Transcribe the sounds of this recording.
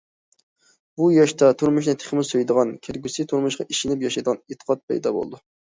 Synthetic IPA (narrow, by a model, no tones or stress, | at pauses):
bujɑʃt̪ɑt̪ʰuɾmuʃ̬nɪt̪ʰe̥χmɪsøjd̪əʁɑnkʲʰeɾɡʲysɪt̪ʰuɾmʊʃqɑʔiʃɪnɪpjɑʃɑjd̪əʁɑnet̪ʰːə̥qʰɑt̪̚pʰɛ̰jd̪ɑ̰bo̰l̰ˠd̪u